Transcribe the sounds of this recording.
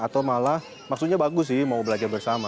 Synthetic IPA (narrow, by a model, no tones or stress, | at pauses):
at̪awmalah | maksut̪̚ɲabaɡʊs̬ɪhmaubəlad͡ʒarbərsama